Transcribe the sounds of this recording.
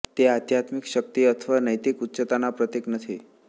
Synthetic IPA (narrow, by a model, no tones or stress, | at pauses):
t̪eat̪jat̪mikʃək̚t̪iət̪ʰəʋanəjt̪ikutːɕət̪anapɾət̪jeknət̪ʰi